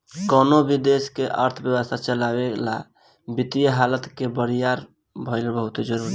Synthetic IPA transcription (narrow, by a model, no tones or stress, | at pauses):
kənobid̪eskeʔəɾt̪ʰəbjəwəst̪ʰat͡ʃəlabela | bit̪ijəɦalət̪kebəɾijaɾ | bʱəlbəɦut̪ed͡ʒəɾuɾi